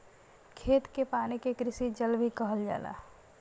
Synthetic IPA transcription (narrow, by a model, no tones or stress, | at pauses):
kʰeːt̪kepaːnikekɾɪsid͡ʒəlbʱikəɦəld͡ʒa̰ːla̰ː